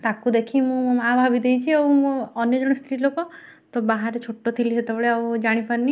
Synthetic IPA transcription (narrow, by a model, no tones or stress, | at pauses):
t̪akud̪ekʰimũabʱabid̪ejt͡ʃʰiewmũɔnjɔd͡ʒɔɽ̃ɔst̪ɾilokɔ | t̪ɔbaɦaɾet͡ʃʰoʈːot̪ʰiliɦet̪ebeɭeawd͡ʒaɽ̃ipaɾni